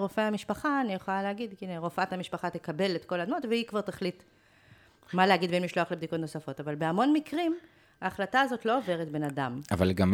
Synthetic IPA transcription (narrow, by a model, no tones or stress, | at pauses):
ʁo̞feamiʃpaχaːnijeχolaleaɡid̪kineʁo̞faathamiʃpaχat̪ekabe̞let̪ko̞lad̪mo̞tveikvaʁtaχlit̪ | malehaɡid̪benmiʃlo̞aχlebd̪iko̞tno̞safo̞tavalbeamo̞nmikʁim | aːχlataːzo̞tlo̞ove̞ʁ̞etbe̞nadamavalɡam